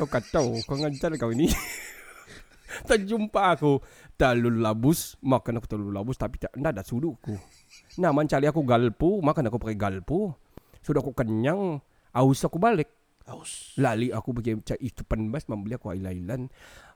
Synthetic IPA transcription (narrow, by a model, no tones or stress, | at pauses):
kakat͡ʃ̪aukaŋaɲt͡ʃalkawini | t̪ad͡ʒumpaːkut̪alullabʊsmakanakut̪alululabʊst̪apit̪andadasuduaku | namaɲt͡ʃaliakuɡalpumakanakuparkɛɡalpu | sudaakukəɲaŋ | ausakubalɛk̚ | laliakubəkit͡ʃaʔit̪upanbasmambəliakua̰ilailan